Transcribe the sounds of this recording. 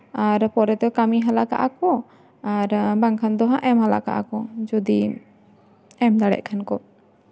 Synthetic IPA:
aɾpɔɾɛt̪ɛkamiɦalaka̰ʔakɔ | aɾbaŋkʰand̪ɔɦaʔɛmɦala̰ka̰ʔakɔd͡ʒɔd̪i | ɛmd̪aɽɛ̰ʔkʰankɔ

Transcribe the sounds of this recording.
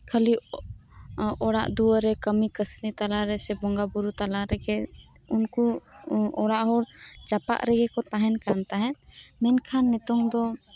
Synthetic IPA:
kʰəli | ɔɽaʔd̪uəɾɛkəmikəsɾit̪alaɾɛsɛbɔŋɡabuɾut̪alaɾɛɡɛ | unku | ɔɽaʔɦɔɾd͡ʒapa̰ʔɾɛɡɛkɔt̪aɦɛnkant̪aɦɛmɛnkʰanːɛt̪ɔŋd̪ɔ

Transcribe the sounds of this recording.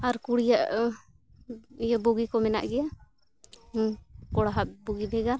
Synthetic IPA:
aɾkuɽijaʔ | ijabuɡikɔmɛna̰ʔɡɛja | kɔɽaɦat̪̚buɡibɛɡaɾ

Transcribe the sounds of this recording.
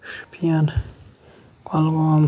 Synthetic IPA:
spʰiæn | kɑlʋɑːm

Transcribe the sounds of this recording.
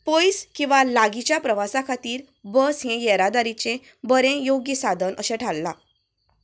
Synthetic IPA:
pojskĩw̃ʋalaɡit͡ɕjapɾəʋasakʰat̪iːɾ | bəsɦẽjɛɾad̪aɾit͡ɕẽ | bəɾẽjoɡjəsad̪ʱənʔəɕɛ̃ʈʰalːa

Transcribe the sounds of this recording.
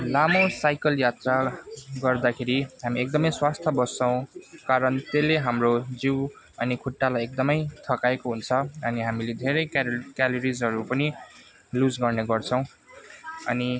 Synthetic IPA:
lamosajkʌljat̪raɡʌrd̪akʰeɾiɦamiek̚d̪ʌmʌjswast̪ʰjʌbʌsʌ̃w̃kaɾʌnt̪eleɦamrod͡ziw | ʌnikʰuʈːalajek̚d̪ʌmʌjt̪ʰʌkaekoɦunt͡sʰʌʌniɦamiled̪ʱeɾʌjkaloɾid͡zɦʌɾupʌni | lud͡zɡʌrneɡʌrt͡sʰʌ̃w̃ | ʌ̰ni

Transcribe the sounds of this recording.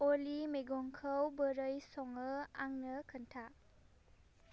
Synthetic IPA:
olimeɡɔŋkʰəwbəɾəjsɔŋɯaŋnəkʰɯntʰa

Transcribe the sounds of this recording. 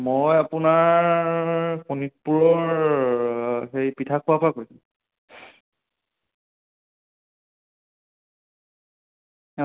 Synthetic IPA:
mojapunaɹ | xonit̚puɹɔɹ | xejpitʰak̚ʰuapakoɹisil | ɛ

